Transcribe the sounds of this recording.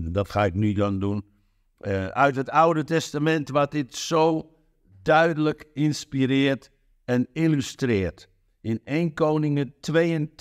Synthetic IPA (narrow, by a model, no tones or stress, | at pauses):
dɔtxaɪknydɔndun | œ̰ɥtɦətawdətɛstamɛntʋɔdɪtsoː | dœɥdələkinspiɾɪːərt | ɛnilystrɪːrt | ɪneːnkoːnɪŋətʰʋeːən